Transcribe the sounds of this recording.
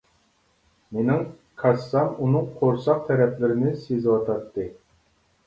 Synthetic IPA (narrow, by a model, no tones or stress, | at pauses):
menɪŋ | kʰɑsːɑmunɨŋqʰoɾsɑq̚t̪ʰɛɾɛplɪɾɪnɪsezwɑt̪ʰɑɾt̪ːɨ